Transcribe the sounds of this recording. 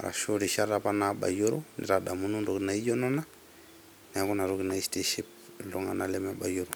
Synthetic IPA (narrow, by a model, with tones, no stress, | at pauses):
a̰˨ɾa̰˨ʃo˦ɾi˨ʃa˦ɾa˨pa˦naɓa̰˨ju˦ɾu˦nḭ˨ɾa˨ɗa˨mu˦nu˦ndu˨ki˨na˨i˦d͡ʒɔ˦nɔ˦na˦ | nɛ˨a˦kɔ˦na˨ɾuki˨na˨isti˦ʃi˦p̚ | lɔ˦ŋa˨na˨lɛma˦ɓa˨ju˦ɾu˨